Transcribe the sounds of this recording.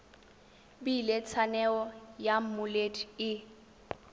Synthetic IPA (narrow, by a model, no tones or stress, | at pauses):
bilet͡sʰanɛɔjam̩mʊletɪ